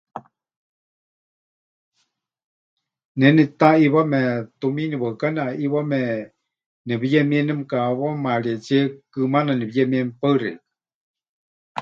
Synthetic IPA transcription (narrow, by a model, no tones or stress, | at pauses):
nɛnit̪aiβamɛt̪uminiβakanaʔiβamɛ | nɛβijɛmĩɛnɛmkaβamaɺiet͡ʃɛkɨmananiβijɛmiɛmpəɨɾeka